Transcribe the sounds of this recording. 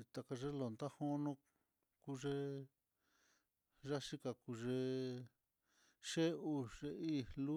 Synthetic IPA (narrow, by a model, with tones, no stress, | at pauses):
t̪a˧ka˧ʐe˦lo˨nd̪a˦ho˦nõ˧ | ku˦ʐe˧ | ʐa˦ʂi˦ka˧ku˧ʐe˧ | ʃe˦u˧ʐe˧i˦˨lu˦